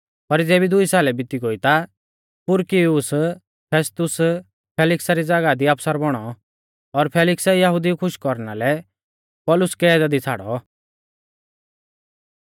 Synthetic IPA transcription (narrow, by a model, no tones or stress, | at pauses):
pɐɾd͡zeːbid̪ʊisaːlɛbɪt̪iɡoit̪a | pʊɾkiʊs | pʰeːst̪ʊs | pʰeːlɪksaɾid͡zaɡad̪iapsaɾbɔɽ̃ɔ | ɔɾpʰeːlɪksjɐɦʊd̪ikʰʊʃkɔɾnalɛ | pɔːlʊskɛɛːd̪ad̪it͡sʰa̰ːɽɔ